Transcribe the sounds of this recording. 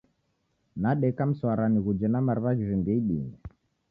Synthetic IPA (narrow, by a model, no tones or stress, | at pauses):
naɗɛkam̩swaɾaniɣud͡ʒɛnamaɾiβad͡ʒivimbiɛiɓḭnɛ